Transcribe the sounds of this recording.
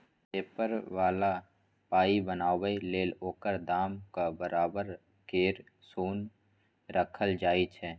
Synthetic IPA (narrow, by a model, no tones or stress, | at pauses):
peːpəɾʋaːla | paːibənaːwəileːloːkəɾd̪aːmkabəɾaːbəɾ | keːɾ | suːn | ɾəkʰəld͡ʒaːit͡ʃʰɛː